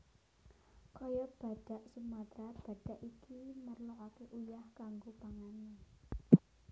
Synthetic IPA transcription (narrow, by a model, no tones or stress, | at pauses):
kɔjɔb̥a̤ɖ̥a̤ʔsumat̪ɾab̥ä̤ɖ̥a̤ʔikimərlɔokeʔujahkaŋɡopaŋani